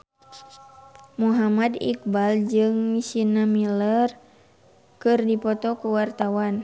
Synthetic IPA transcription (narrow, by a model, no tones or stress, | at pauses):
muɦamadḭk̚bald͡ʒɨŋsinamilər | kɨrdipɔt̪ɔkuwart̪awan